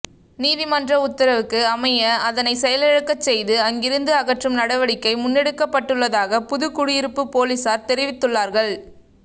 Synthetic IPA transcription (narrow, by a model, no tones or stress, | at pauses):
niːðɪmɐndrɐʊt̪ːɐɾɐʋɯkːɯɐmɐjɐɐðɐnɐɪsɛjɐlɛɻɯkːɐt͡ʃːɛjðɯɐŋɡɪɾɯnd̪ɯɐɣɐʈrɯmnɐɽɐʋɐɽɪkːɐɪmʊnːɛɽɯkːɐpːɐʈːɯɭːɐðaːɣɐpʊðɯkʊɽɪjɪɾɯpːɯpoːlisaːɾt̪ɛɾɪʋɪt̪ːɯɭːaːɾɣɐɭ